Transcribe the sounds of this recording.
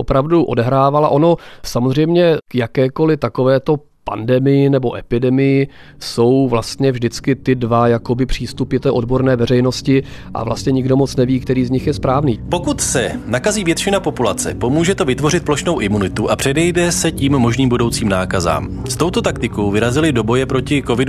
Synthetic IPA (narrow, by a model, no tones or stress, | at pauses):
opɾavduʔo̞dɛɦɾaːvalaʔo̞no̞samozr̝ɛjmɲɛkjakɛːko̞lɪt̪akovɛːt̪o̞ | pa̰ndɛmɪjɪnɛbo̞ʔɛpɪdɛmɪjɪ | so̞wvlast̪ɲɛvʒdɪt͡skɪt̪ɪdvajako̞bɪpr̝̥iːst̪upɪt̪ɛːʔodbo̞ɾnɛːvɛrɛjno̞scɪʔa̰vla̰st̪ɲɛɲɪɡdo̞mo̞t͡snɛviːk̚t̪ɛɾiːzɲɪxjɛspɾaːvniːpo̞kut̪sɛnakaziːvjɛt̪ʃɪnapo̞pulat͡sɛ̰po̞muːʒɛt̪ovɪt̪vo̞rɪt̪̚plo̞ʃno̞wʔɪmunɪt̪uʔapr̝̥ɛdɛjdɛsɛciːmːo̞ʒniːmbudo̞wt͡siːmnaːkaza̰ːm | st̪o̞wt̪o̞t̪ak̚t̪ɪko̞wvɪɾazɪlɪdo̞bo̞jɛpɾo̞cɪko̞vɪdu